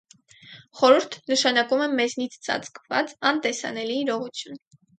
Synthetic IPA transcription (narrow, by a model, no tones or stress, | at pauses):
χɔɾuɾt̪ʰnəʃɑnɑkumɛmɛznit͡sʰt͡sɑ̰t͡skvɑ̰t͡sɑnt̪ɛsɑ̰nɛliːɾɔʁut͡sʰjun